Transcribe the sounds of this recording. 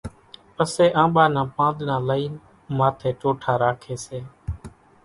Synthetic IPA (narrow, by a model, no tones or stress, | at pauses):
pəseːʔãːɓaːnãːpãːnd̪nãːləiːn | maːt̪ʰeːʈoːʈʰaːɾaːkʰeːseː